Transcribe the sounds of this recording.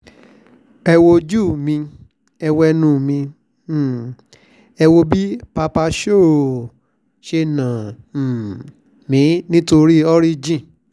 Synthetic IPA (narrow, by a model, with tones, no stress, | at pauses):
ɛ˧wo˧d͡ʒu˦˨mĩ˧ | ɛ˧wɛ˧nũ˧˨mĩ˧˨ | ɛ˧wo˧bi˦pa˧pa˧ʃo˦˨ | ʃe˧nã˨ | mĩ˨˦nĩ˦to˧ɾi˦ɔ˦ɾi˦d͡ʒĩ˦˨